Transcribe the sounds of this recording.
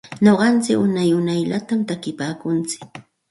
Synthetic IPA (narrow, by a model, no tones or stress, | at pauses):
ɲoɢɑnt͡sɪkʊnajʊnajʎat̪amt̪akɪpaːkʊnt͡sɪ̥k̚